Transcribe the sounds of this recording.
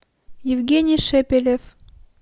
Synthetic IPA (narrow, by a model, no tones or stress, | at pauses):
jɪvɡʲenʲɪjʃepʲelʲef